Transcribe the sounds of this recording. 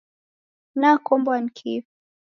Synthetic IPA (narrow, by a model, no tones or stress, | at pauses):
nakɔmbwankʰif